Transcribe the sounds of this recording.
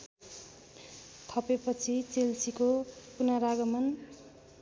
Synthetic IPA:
t̪ʰʌpepʌt͡sʰit͡selt͡sʰikopunaɾaɡʌmʌn

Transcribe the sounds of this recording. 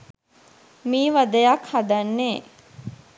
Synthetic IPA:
miːʋad̪əjakhad̪anːeː

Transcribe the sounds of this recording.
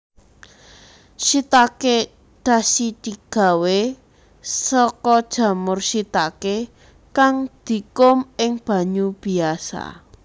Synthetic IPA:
ʃit̪ake | ɖ̥a̤sit̪iɡ̥a̤we | sɔkɔd̥ʒ̥a̤mʊrʃit̪ake | kaŋd̪̥i̤kʊmɪŋb̥a̤ɲub̥i̤asa̰

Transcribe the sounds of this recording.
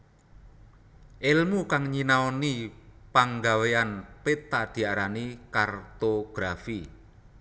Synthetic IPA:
ʔelmukaŋɲinaonipaŋɡaweanpet̪ːad̪̥i̤aɾanikart̪oɡ̥ɾafi

